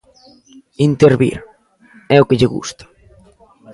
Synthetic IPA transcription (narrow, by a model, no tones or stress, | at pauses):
int̪eɾβḭɾ | ɛʊkɪʎɪɣṵst̪ḁ